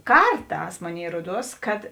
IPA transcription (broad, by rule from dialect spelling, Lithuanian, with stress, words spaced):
ˈkɐrˌtɑːs ˈmoːˌnʲeːɪ ˈruɔˌduɔs kɐt